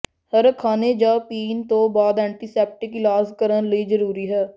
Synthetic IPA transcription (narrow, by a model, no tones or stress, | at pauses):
həɾkʰaːneːd͡ʒãːpiːnt̪õːbaːd̪ɛ̃ːɳʈiːsɛːp̚ʈɪklaːskəɾənləiːzəɾuːɾiːɦɛː